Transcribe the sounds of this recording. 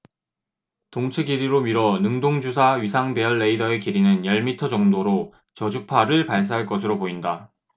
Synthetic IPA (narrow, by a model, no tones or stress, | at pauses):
toŋt͡ɕʰeɡiɾiɾomiɾʌnɯŋdoŋd͡ʑusʰaɥisʰaŋbe̞ʌɭːe̞idʌe̞kiɾinɯnjʌɭmitʰʌd͡ʑʌŋdoɾo | t͡ɕʌd͡ʑupʰaɾɯɭpaɭs̬͈aɦaɭk͈ʌsʰɯɾopoinda